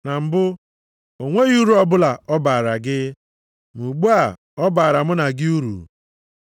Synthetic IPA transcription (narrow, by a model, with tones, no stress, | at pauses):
na˨m̩˦bʊ˦ | o˨ŋʷe˦ɣu˦ɾu˨˦ɔ˦bʊ˦la˨ɔ˦ba˨ɾa˨ɡɪ˦ | mu˨ɡ͡bu˦a˨ | ɔ˦baː˨ɾa˨mʊ˦na˨ɡɪ˦u˦ɾṵ˨